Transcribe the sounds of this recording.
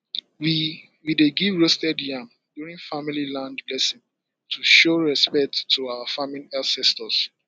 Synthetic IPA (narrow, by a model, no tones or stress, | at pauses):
wi | wideɡivɹostɛdjãm | duɹĩŋfamililãndblɛsĩŋ | tʰuʃoɹɛspɛk̚tʰːuawafamĩnɛsɛstɔs